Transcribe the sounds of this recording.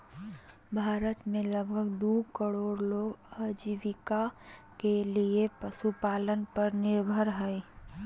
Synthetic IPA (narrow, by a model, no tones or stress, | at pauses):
bʱaːɾət̪mẽləɡbʱəɡd̪uːkəɽoːɽloːɡəd͡ʒiʋɪka | keliepəsupaːlənpəɾnɪɾbʱəɾɦɛi